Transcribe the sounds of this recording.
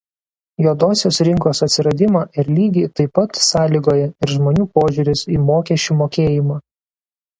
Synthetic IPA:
joːd̪oːsʲoːsɾʲɪŋkoːsɐt̪ʲsʲɪɾɐd̪ʲɪmɑʔɪɾlʲiːɡʲiːt̪ɐɪpɐt̪sɑːlʲiːɡoːjɛɪɾʒmoːnʲuːpoːʒʲʊɾʲɪsiːmoːkʲɛʃʲt͡ʃʲuːmoːkʲeːjɪmɑː

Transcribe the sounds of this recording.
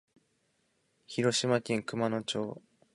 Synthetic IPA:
çiɾo̞ɕimakʲĩŋkɯ̟mano̞t͡ɕo̞ː

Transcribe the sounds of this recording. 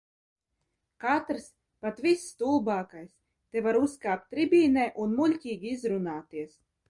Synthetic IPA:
kat̪ɾɨs | pat̪visːt̪ulˠbaːkajs | t̪evaɾuskaːp̚t̪ʲːɾibʲiːnɛjʔunmulʲcʲiːɡʲiizɾunaːt̪iɛs

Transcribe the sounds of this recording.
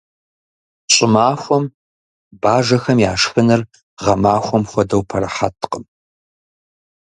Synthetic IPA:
ɕʼɪmaːxʷɔm | baːʒɐxɐmjaːʂxɨnɨr | ʁɐmaːxʷɔmxʷɔdɐwpʰɐɾɐħa̰tʰqəm

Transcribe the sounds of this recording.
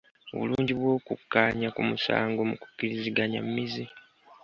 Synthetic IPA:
o̞̰βuluːɲɟiβwo̞ːkukːaːɲakumusa̰ːŋɡo̞muku̥kːiɾiziɡaɲa̰mːizi

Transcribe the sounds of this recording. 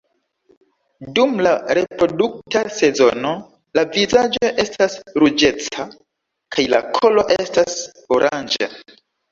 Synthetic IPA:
dumlaɾe̞pɾo̞duk̚tase̞zono̞ | lavizad͡ʒo̞ʔe̞stasɾud͡ʒe̞t͡sa | kʰajla̰kʰo̞lo̞ʔe̞stas | oɾʔand͡ʒa̰

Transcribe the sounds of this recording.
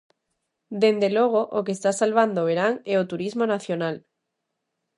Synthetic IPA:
d̪end̪eloɣ̞oʔokest̪asalβand̪oβeɾaŋeot̪uɾizmonaθjonal

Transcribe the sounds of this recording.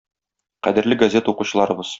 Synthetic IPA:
qæ̰d̪ɘ̆ɾlɘɡɐzʲe̞t̪əuquɕɤ̆lˠɑɾɤ̆bɤz̥

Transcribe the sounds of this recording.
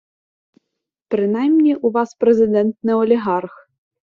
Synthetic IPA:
pɾɪnajmnʲiʔuʋɑspɾɛzɪd̪ɛnt̪nɪɔlʲiɦɑrx

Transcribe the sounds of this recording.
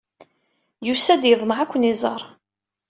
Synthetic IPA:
jusæd̪jəðˤməʕækʷːənizˤə̰ɾˤ

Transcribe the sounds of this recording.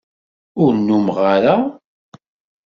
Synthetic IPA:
ʊɾnːumʁaɾa

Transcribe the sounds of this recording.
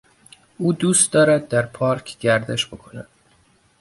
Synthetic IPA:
uːd̪uːst̪̚d̪ɒːɾæd̪̚ːæɾpʰɒːɾkʰɟæɾd̪e̞ʃb̥o̞kʰo̞næd̪̥

